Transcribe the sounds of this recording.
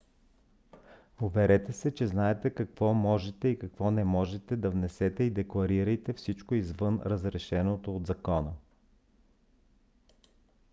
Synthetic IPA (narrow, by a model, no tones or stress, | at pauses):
ovɛɾɛt̪ɛsɛt͡ʃɛznaɛt̪ɛkɐkv̥ɔmɔʒɛt̪ɛikɐkvɔnɛmɔʒɛt̪ɛd̪ɐvnɛsɛt̪ɛid̪ɛklˠɐɾiɾəjt̪ɛfsit͡ʃkoizvɤnɾəzɾɛʃɛnot̪oːd̪zɐkɔnə